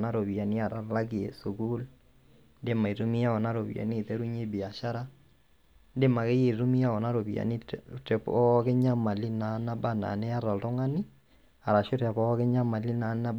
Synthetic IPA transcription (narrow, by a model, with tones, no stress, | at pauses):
na˦ɾo˨βi˨a˨ni˦a˨ɾa˨˦la˦ki˨ḛ˨su˨ɡu˦l | nde˦ma˨i˨ɾu˦mi˦ja˦ɔ˨na˦ɾo˨βḭ˨a̰˨ni˦˨ðɛ˦ɾu˦ɲe˦bi˨a˨ʃa˦ɾa˦ | nde˦ma˨ke˦je˨ɾu˦mi˦a˦ɔ˨na˦ɾo˨βi˨a̰˨ni˦tɛ˨pɔ˦ke˦ɲa˦ma˨li˦na˨˦na˦ba˦na̰˨nɛ˦a˦ɾa˨lto˦ŋa˦ni˦ | a˨ɾa˨ʃo˦ɾa˨βɔ˦ke˦ɲa˦ma˨li˦na˨˦na˦b